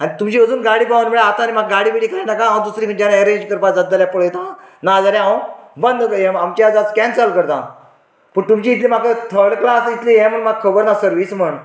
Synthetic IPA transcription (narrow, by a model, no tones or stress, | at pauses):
añit̪umt͡ɕiːəd͡zuːnɡaɽiːpaʋanmiɭeat̪animaɡɡaɽiːpiɽiːkajnakããw̃d̪usɾĩkʰəɳd͡ʑanaeɾẽɲd͡ʑkəɾpad͡zəd̪ːaljapəɭet̪ãnad͡zaɾjaɦãbənd̪ʱkəɛmamt͡ɕad͡zat͡skɛ̃nsəlkəɾt̪ã̰ | pəɳt̪umt͡ɕiːt̪limakət̪ʰəɽklasit̪liɦɛ̃m̤əɳmaɡ̚kʰəbəɾnasəɾʋism̤əɳ